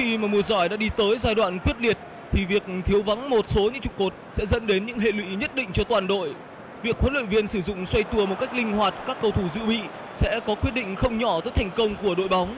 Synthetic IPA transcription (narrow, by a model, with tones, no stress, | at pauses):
xi˧maː˨˩mu˧˩əzɔ˧˩jɗa̰ː˧˥ɗi˧t̪əː˨˦jzaː˧jɗwa̰ː˧˨nkwi˦˥ət̚li˨˩ət̚ | t̪ʰi˨˩vi˨˩ək̚t̪ʰi˨˦əwva˨˦ŋmo˨˩t̚so˨˦ɲɨ̰˧˥ŋt͡ɕʊ˨˩k͡p̚ko˨˩t̚sɛ̰˧˥zə̰˧˥nɗe˨˦nɲɨ̰˧˥ŋɦḛ˧˨lwḭ˧˥ɲə˦˥t̚ɗḭ̈˧˨ŋ̟t͡ɕɔ˧t̪waː˨˩nɗo̰˧˨j | vi˨˩ək̚hwə˨˦nlwə̰˧˨nvi˧ənsɨ˧˩zʊ̰˧˨ŋ͡mswa˧jt̪u˧˩əmo˨˩t̚ka˦˥k̚lï˧ŋ̟hwaː˨˩t̚kaː˦˥kːə˧wt̪ʰu˧˩zɨ̰˧˨ɓḭ˧˨ | sɛ̰˧˥kɔ˨˦kwi˦˥ət̚ɗḭ̈˧˨ŋ̟xə˧wŋ͡mɲɔ˧˩t̪o˨˦jt̪ʰa˨˩jŋ̟kə˧wŋ͡mku˧˩əɗo̰˧˨jɓa˨˦wŋ͡m